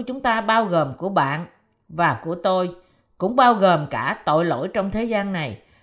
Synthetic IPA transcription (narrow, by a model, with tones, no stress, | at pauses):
t͡ɕʊ˨˦ŋ͡mt̪aː˧ɓaː˧wɣoː˨˩mku˧˩əɓa̰ː˧˨n | vaː˨˩ku˧˩ət̪o˧j | kʊ̰˧˥ŋ͡mɓaː˧wɣəː˨˩mkaː˧˩t̪o̰˧˨jlo̰˧˥jt͡ɕɔ˧wŋ͡mt̪ʰe˨˦zaː˧nːa˨˩j